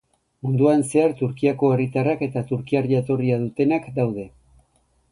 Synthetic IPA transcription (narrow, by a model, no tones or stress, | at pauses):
mund̪uanse̞aɾt̪uɾkiako̞e̞rit̪arake̞t̪at̪uɾkiaɾʎat̪o̞riaðut̪e̞nakd̪awðe̞